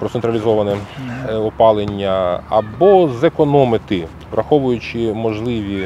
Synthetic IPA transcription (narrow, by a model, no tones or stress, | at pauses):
pɾɔt̪ent̪ɾɐlʲizɔʋɐnɛɔpɑlˠenʲːɐɐ̰bɔzekɔnɔmɪt̪ɪ | ʋrʔɐxɔʋʊjʊt͡ʃɪmɔʒlˠɪʋʲi